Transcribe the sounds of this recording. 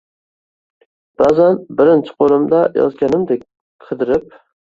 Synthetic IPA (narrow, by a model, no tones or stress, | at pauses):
b̥azanbɪɾɪnt͡ʃʰɪ̥qʰolˠɪmd̪ajɒ̰zɡʲanɪmd̪ek̚ʲ | qʰɨd̪ɪɾɪp̚